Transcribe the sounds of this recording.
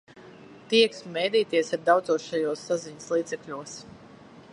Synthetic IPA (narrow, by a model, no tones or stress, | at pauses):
t̪iɛksmɛjd̪iːt̪iɛsaɾd̪awd̪zuɔsʃʃajuːsːaziɲəslˠiːt̪sɛkʎʲuɔs